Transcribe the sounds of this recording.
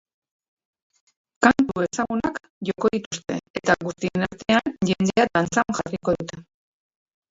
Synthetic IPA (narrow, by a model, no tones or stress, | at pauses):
kant̪ue̞saɣunak | ʝo̞ko̞ðit̪ust̪e̞̰et̪aɣust̪ie̞naɾt̪e̞anʝe̞nd̪ead̪ant͡saŋʝariko̞ðut̪e̞